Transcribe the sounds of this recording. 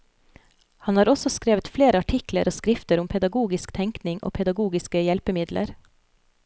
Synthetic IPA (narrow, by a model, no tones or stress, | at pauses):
hɑnhɑːɾɔsɔskɾeːʋət̪fleːɾəɑʈʰɪklə̰ɾʔoːskɾɪft̪əɾʊmpʰɛd̪ɑɡuːɡɪskt̪ʰɛŋknɪŋʔo̰ːpʰɛd̪ɑɡuːɡɪskəjɛlpəmɪd̪lʔə̰ɾ